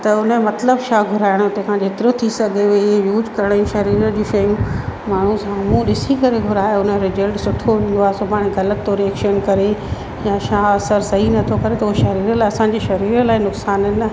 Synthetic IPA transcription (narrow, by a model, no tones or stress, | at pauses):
t̪ɐʊnəmɐt̪ləbʃaːɡʱʊɾaːɪɽ̃ʊt̪ekʰãd͡ʑʱeːt̪ɪɾot̪ʰisɐɡʱeʊɦeɦejuːzkɐɾəɽ̃jũʃɐɾiːɾəd͡ʑiːʃɐjũmaːɳ̤ũsãmũɗɪsikɐɾeɡʱʊɾaːeʊnɾɪzəlʈsʊʈʰoɦĩːn̆d̪oaːɦesopaːɽ̃eɡɐlət̪ːoɾiɛkʃənkɐɾe | jãʃaːɐsəɾsɐɦinɐt̪ʰokɐɾet̪ɐʊɦeʃɐɾiːɾlaːɪɐsãːɲ̆d͡ʑeʃɐɾiːɾəlaːinʊksaːnənɐ